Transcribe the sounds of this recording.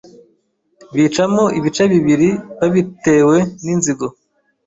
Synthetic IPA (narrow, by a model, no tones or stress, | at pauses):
βiːt͡ʃamoʔiβit͡ʃaβiβiɾiβaβite̞ːwe̞ninziɡo